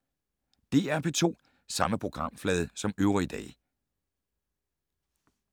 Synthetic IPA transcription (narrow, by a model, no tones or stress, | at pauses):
d̥e̝̰ːæɐpʰe̝t͡sʰo̝̰ː | sɑ̈məpʰʁo̝ɡ̥ʁɑ̈m̰flɛːð̞ˠsɒ̽møʊʁid̥ɛ̰ː